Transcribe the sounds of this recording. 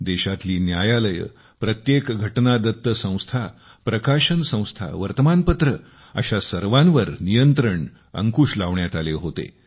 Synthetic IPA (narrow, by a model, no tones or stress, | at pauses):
d̪eɕat̪liːnjajaləjə̰ | pɾət̪jekɡʱəʈnad̪ət̪ːəsə̃w̃st̪ʰa | pɾəkaɕənsə̃w̃st̪ʰa̰ʋəɾt̪əmanpət̪ɾə | ə̰ɕasəɾʋãnʋəɾnijənt̪ɾəɳ | ə̰ŋkuːɕlaʋɳjat̪aleɦot̪ḛ